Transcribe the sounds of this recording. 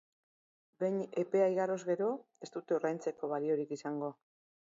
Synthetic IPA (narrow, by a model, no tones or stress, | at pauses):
be̞ɲe̞pe̞ajɣaɾo̞zɣe̞ɾo̞e̞st̪ut̪eurajnt͡se̞ko̞βalio̞ɾikisaŋɡo̞